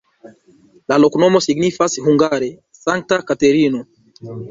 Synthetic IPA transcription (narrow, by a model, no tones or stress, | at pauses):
laloknomosiɡnifashuŋɡaɾe | saŋk̚takateɾino